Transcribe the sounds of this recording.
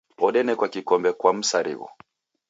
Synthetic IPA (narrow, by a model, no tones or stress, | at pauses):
ɔɗɛnɛkwakikɔmbɛkwam̩saɾḭɣɔ̰